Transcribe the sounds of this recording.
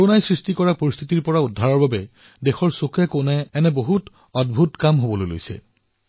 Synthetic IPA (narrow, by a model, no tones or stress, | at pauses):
koɹonajsɹistikɔɹapoɹist̪ʰitiɹpɔɹaudʱːaɹɔɹbabɛ | dexɔɹsokʰɛkonɛːnɛboɦut | ɔdbʱutkamɦobɔlojlo̰jsɛ̰